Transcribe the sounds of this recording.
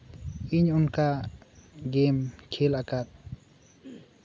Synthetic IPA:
iɲunka | ɡɛmkʰɛlakat̪̚

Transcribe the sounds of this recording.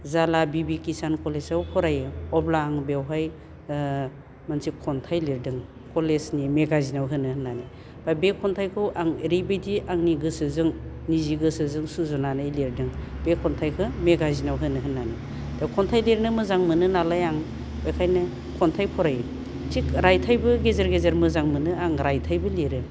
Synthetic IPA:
zalabibikisankɔlesawpʰɔɾajɯɔblaːŋbewɦaj | mansikʰɔntʰajliɾdɯŋ | kɔlesnimeɡazinawɦɯnɯhɯnːani | babekʰɔntʰajkʰɯwʔaŋɾibediʔaŋniɡɯsɯzɯŋniziɡɯsɯzɯŋsuzɔnanajliɾdɯŋ | b̥ekʰːɔntʰajkʰɯmeɡazinawɦɯnɯɦɯnːani | d̥akʰɔntʰajliɾnɯmɯzaŋmɯnɯnalajaŋ | bejkʰajnɯ | kʰɔntʰajpʰɔɾaj | tikɾajtʰajbɯɡezaɾɡezaɾmɯzaŋmɯnɯaŋɾajtʰajbɯliɾɯ

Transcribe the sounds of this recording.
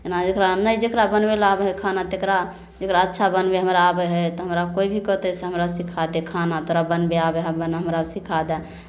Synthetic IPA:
enad͡ʒekɾanəjd͡ʒekɾabənbelabeɦɛkʰanat̪ekɾa | d͡ʒekɾaətːʃʰabənbeɦəmɾaːbɛɦɛt̪ɔɦəmɾabkoibʱikət̪ɛseɦəmɾasikʰad̪ɛkʰanat̪oɾabənbeabeɦəbənɦəmɾabsikʰad̪ɛ

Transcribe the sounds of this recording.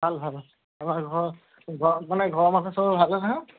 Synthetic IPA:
bʱalbʱal | amaɡʱɔɹ | ɡʱɔmanɛɡʱɔɹɔmatʰasɔɹɔlbʱalɛnaɦã

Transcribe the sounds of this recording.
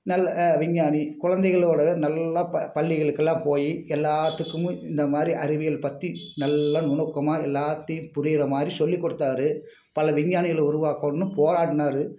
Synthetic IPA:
nɐlːɐʋɪɲːaːnikʊɻɐnd̪ɛɪɣɐɭoːɽɐʋeːnɐlːɐɐpɐɭːɪɣɐɭɯkːɛlːãːpoːjiɛlːaːt̪ːɯkːɯmɯ̃ɪnd̪ɐmaːd̪ɾiʔɐɾɪʋɪjɐlpɐt̪ːinɐlːɐnʊɳɐkːɐmaːɛlːaːt̪ːɐjɯmpʊɾɪjɪɾɐmaːd̪ɾisɔlːikːɔɽɯt̪ːaːɾɯ | pɐlɐʋɪɲːaːnɪɣɐɭʊɾʊʋaːkɐnːɯ̃poːɾaːʈɯnaːɾɯ

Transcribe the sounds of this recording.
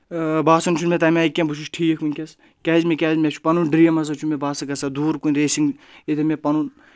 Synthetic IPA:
baːsɐnt͡ʃʰunmʲet̪ɐmʲaːikʲːẽbuʃ̬ʰuʃʈʰiːkʰminʲkʲɐs | kʲɛːzmekʲɛːzmʲet͡ʃʰu̥pɐnunɖɾijɐmɐs̬ɐt͡ʃʰumebaːsɨkɐsɐd̪uːɾkunʲɾeːsiŋɡet̪ʰemʲepɐnun

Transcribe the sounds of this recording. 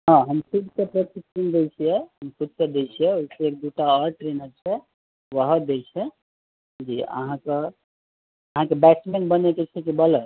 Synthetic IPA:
ɦãɦəmsuɖsepɾət̪ikind̪et͡ʃʰijɛɦəmsut̪sed̪et͡ʃʰijɛoɦiseeːk̚d̪uʈaəɾʈɾenəɾt͡ʃʰɛ | ʋəɦəd̪ejt͡ʃʰɛ | d͡ʒiə̰ɦãke | əɦãkebɛʈsmenbəneket͡ʃʰɛkibələ

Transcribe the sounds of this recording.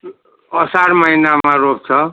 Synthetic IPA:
ʌsaɾmʌinamaɾop̚t͡sʰʌ

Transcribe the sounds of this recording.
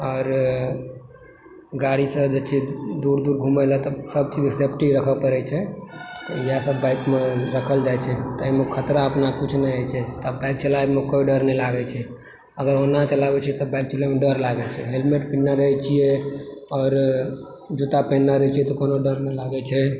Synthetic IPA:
ɔːɾ | ɡaɽisəbd͡ʒet͡ʃʰɛd̪uɾd̪uɾɡʱuməlɛt̪ɔsəb̚t͡ʃid͡ʒesepʈiɾəkʰəpəɾɛt͡ʃʰɛt̪ɔijasəbːajkmeɾəkʰəld͡ʒajt͡ʃʰɛt̪ɔəimekʰət̪ɾaəpnakut͡ʃʰnɛjajt͡ʃʰɛt̪abaɪk̚t͡ʃəlaemekoiɖəɾnɛlaɡɛt͡ʃʰɛ | əɡəɾonat͡ʃəlabɛt͡ʃʰiɛt̪ɔbajk̚t͡ʃəlemeɖəɾlaɡɛt͡ʃʰɛɦelmeʈpinːaɾəɦɛt͡ʃʰijɛɔːɾ | d͡ʒut̪apənːaɾəɦt͡ʃʰiɛt̪ɔkonoɖəɾnɛlaɡɛt͡ʃʰɛ

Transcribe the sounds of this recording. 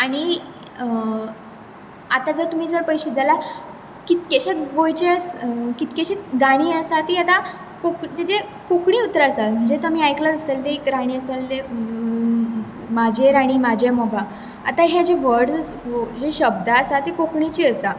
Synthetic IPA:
aɽ̃i | at̪ad͡zəɾt̪um̤iːsəɾpəjɕed͡zala | kit̪kʲeɕeɡojt͡ɕeəskit̪keɕit͡sɡaɽ̃iːəsat̪iat̪a | kokt̪ed͡ʑe | kokɳiːut̪ɾasalm̤əɳd͡zet̪am̤iːajklaəselt̪eikɾaɽ̃iːəsalt̪e | mad͡ʑʱeɾaɽ̃iːmad͡ʑʱemɔɡa | at̪aɦed͡ʑeʋəɾɽd͡z | d͡ʑeɕəbd̪ʱasat̪ikokɳit͡ɕiːəsa

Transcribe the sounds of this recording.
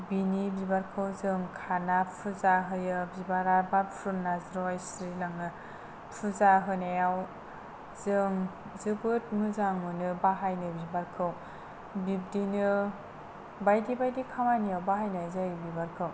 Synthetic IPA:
binibibaɾkʰɯwzɯŋkʰanapʰuzaɦɯjɯbibaɾabapʰɾunnːazɾɔjsɾilaŋɯ | pʰuzaɦɯnajaw | zɯŋ | zɯbɯt̚mɯzaŋmɯnɯbaɦajnɯbibaɾkʰɯw | bib̚dinɯ | bajdibajdikʰamanijawbaɦajnazajbibaɾkʰɯw

